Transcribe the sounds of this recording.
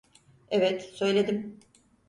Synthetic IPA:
evɛt̪sø̞jlʲe̞d̪im

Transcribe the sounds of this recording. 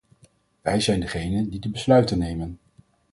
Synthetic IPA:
ʋɛjzɛjndəχejnəndidəbəslœɥtənːejmən

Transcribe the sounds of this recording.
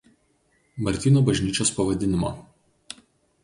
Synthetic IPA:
mɐɾʲt̪ʲiːnuːbɐʒʲnʲiːt͡ʃʲoːspɐʋɐd̪ʲɪnʲɪmo̰ː

